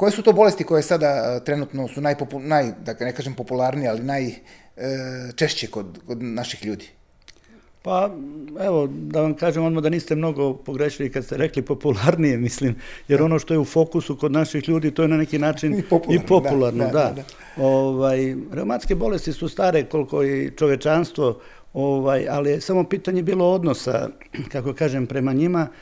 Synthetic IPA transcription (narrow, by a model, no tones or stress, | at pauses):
ko̞jesut̪oːbo̞lest̪iko̞jesad̪at̪ɾenut̪nosunajpopunajd̪anekaːʒempopulˠaɾniealinaj | t͡ʃeʃt͡ɕekod̪kod̪naʃixʎuːd̪i̥ | paeʋo̞d̪aʋamkaːʒemonmad̪aniːst̪emno̞ɡo̞po̞ɡɾeːʃilikad̪st̪eɾe̞klipo̞pulaɾnije̞mislimjeɾo̞no̞ʃt̪o̞jeufo̞kusuko̞d̪naʃixʎuːd̪iːt̪oːjenane̞kinaːt͡ʃinipo̞pulˠaɾnod̪a | oʋajɾeumant̪ske̞bo̞le̞st̪isust̪aːɾeko̞lko̞it͡ʃo̞ʋjet͡ʃanst̪ʋo̞ | oʋajalije̞samo̞piːt̪aɲe̞biːlo̞o̞d̪no̞sa̰ | kakokaːʒe̞mpɾe̞maɲima